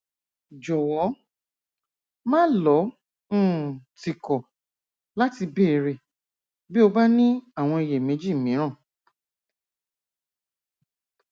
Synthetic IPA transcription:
d͡ʒɔ˨wɔ˨˦ | mãː˦lɔ̃˨˦˨ | ti˨kɔ˨ | la˦ti˧be˦˨ɾe˧˨ | bi˦o˧ba˦nĩ˦a˦˨w̃ɔ̃˧i˧˨je˨mẽ˨˦d͡ʒi˦˨mĩ˨˦ɾ̃ã˦˨

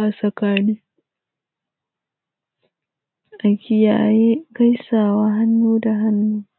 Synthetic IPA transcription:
ʔa˨sɐ˨kaː˦niː˦ | ʔa˨kʲɪ˨ja̰ː˨jeː˦ɡa˦jsaː˨waː˦ɦa˦nːuː˦da˨ɦa˦nːuː˦

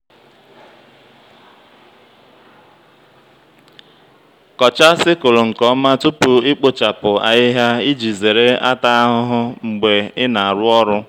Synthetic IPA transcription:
kɔ˨t͡ʃa˦sɪ˦kʊ˨lʊ˨ŋ̩˨kɔ˦ma˦tu˦pʊ˨ɪ˦k͡po˨t͡ʃa˨pʊ˨a̰˨ɪ˦ɦja˦i˦d͡ʒi˨ze˨ɾe˦a˦ta˦a˦ɦʊ˦ɦʊ˦ŋ͡m̩˨ɡ͡be˨ɪ˦na˨a˨ɾʊ˦ɔ˦ɾʊ˦

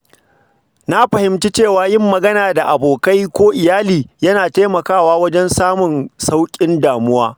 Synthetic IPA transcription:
na˦ɸɐ˨hɪ˨˦mt͡ʃiː˦t͡ʃeː˦˨waː˨jɪ˦mːɐ˨ɡɐ˦naː˨da˨ʔa˨boː˨ka˦jkʷoː˦ʔɪ˨jaː˦liː˨jɐ˦naː˨ta˦mɐ˨kaː˦˨waː˦wɐ˦d͡ʒɛ˦nsaː˦mʊ˨nsa˦wkʲʼɪ˦ndaː˨mʊ˦waː˦

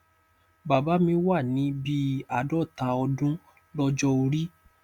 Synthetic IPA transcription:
ba˨ba˨˦mĩ˧˦wa˦˨nĩ˨˦bi˦a˨dɔ˦˨tã˧ɔ˧dũ˦ | lɔ˧d͡ʒɔ˧o˧ɾi˦

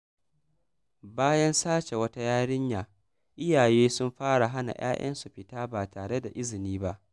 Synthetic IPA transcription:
baː˦jɐ˦nsaː˦t͡ʃe˨wɐ˦ta˦jaː˦ɽɪ˦ɲjaː˨ | ʔɪ˦jaː˨jeː˦sʊ˦mɸaː˦ɽa˨ɦa˦na̰˨j̰a̰ː˦j̰ɐ̰˦nsu˨ɸɪ˦taː˦baː˨taː˨ɽe˦da˨ʔɪ˦zɪ˨niː˦ba˦ʔ

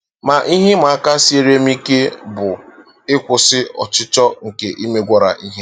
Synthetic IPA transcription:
ma˨ʔi˦ɦɪ˦ma˨a˦ka˦se˦ɾe˦m˦i˦ke˦bʊ˨ | ɪ˦kʷʊ˨sɪ˦ɔ̰˨t͡ʃɪ˦t͡ʃɔ˦ŋ̩˨ke˨ʔi˦me˦ɡʷɔ˦ɾa̰˨ʔi˦ɦe˦

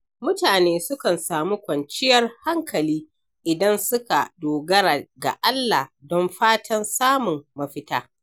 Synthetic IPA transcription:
mʊ˦taː˨neː˦sʊ˦kɐ˨nsaː˨mu˦kʷɐ˨nt͡ʃɪ˦jɐ˦rha˦ŋkɐ˨liː˦ | ʔɪ˨dɐ˦nsʊ˦ka˨doː˨ɡɐ˦ɾa˨ɡa̰˨ʔa˦lːa˨dɔ˦mɸaː˦tʰɐ˦nsaː˦mʊ˨mːɐ˨ɸɪ˦taː˦

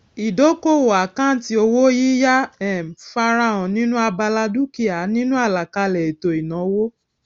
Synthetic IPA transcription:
i˨do˨˦ko˦˨wo˨a˨kã˦ti˦o˧wo˦ji˦ja˦ɛ˦˨fa˧ɾa˧ɔ̃˨nĩ˦nũ˦a˧ba˧la˧du˦ki˨a˨nĩ˦nũ˦a˦˨la˨ka˧lɛ˨i˨to˨i˨nã˨wo˦

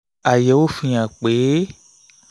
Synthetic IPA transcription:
a˨jɛ˨wo˦fĩ˨˦a˨k͡pe˨˦

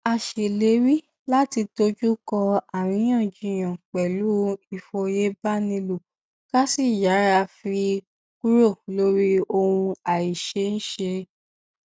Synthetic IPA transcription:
a˨ʃe˨le˨˦ɾi˦ | la˦ti˧to˦d͡ʒu˦kɔ˧a˨w̃ĩ˧˦j̃ã˦˨d͡ʒi˨˧˦j̃ã˨k͡pɛ˨lu˨˦i˦˨fo˧je˦ba˦nĩ˧lu˨ | ka˦si˦˨ja˨˦ɾa˧fi˧ | ku˦ɾo˦˨lo˦ɾi˦o˧wũ˧a˨i˨ʃe˧˦ñ̩˦ʃe˧

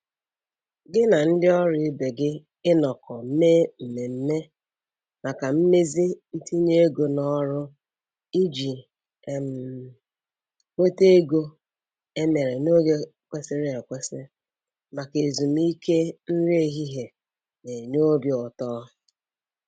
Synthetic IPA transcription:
ɡɪ˦na˨n̩˦dɪ˦ɔ˦ɾi˦be˨ɡɪ˦ | ɪ˦nɔ˨kɔ˨m̩˦meː˦m̩˨me˨m̩˦me˦ | ma˨ka˨m̩˦me˦zi˦n̩˦ti˦ɲe˦e˦ɡo˨nɔ˦ɾʊ˦ | i˦d͡ʒi˨ | e˨m̩˨ | kʷe˦te˦ɡo˦ | e˦me˨ɾe˨no˦ɡe˦ | kʷe˦sɪ˦ɾɪ˦e˨kʷe˦sɪ˦ | ma˨ke˨zu˨m˦i˦ke˦n̩˦ɾe˦ɦi˦ɦe˨ | ne˨ɲo˦bjʊ˨tɔː˦

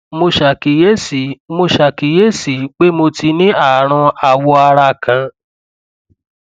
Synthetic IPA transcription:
mo˧ʃa˨ki˨˦je˦si˨mo˧ʃa˨ki˨je˦si˨˦k͡pe˦mo˧ti˧nĩ˦a˦˨ɾ̃ã˧a˨wɔ˧a˧ɾa˧kʰã˨˧

